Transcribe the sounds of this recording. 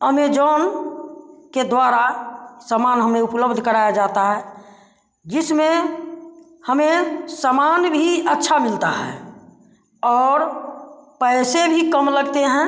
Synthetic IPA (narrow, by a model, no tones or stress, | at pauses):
əmed͡ʒɔn | ked̪waɾasamanɦəmeupləbd̪ʱkəɾajad͡ʒat̪aɦɛ | d͡ʒɪsmẽ | həmesamanbʱiətːʃʰamɪlt̪aɦɛ̰ | ɔːɾ | pəɪsebʱikəmləɡt̪eɦɛ̃